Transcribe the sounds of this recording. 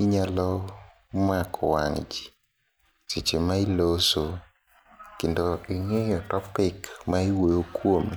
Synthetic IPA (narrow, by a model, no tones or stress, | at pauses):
iɲalɔ | makʰɔwaŋd͡ʒi̥ | sɪt͡ʃemailoso | kendoiŋejɔtɔpɪkmaiwojokwom